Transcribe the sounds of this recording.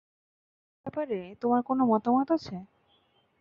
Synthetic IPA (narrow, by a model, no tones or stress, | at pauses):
bɛpaɾet̪omaɾkonomɔt̪amot̪at͡ɕʰe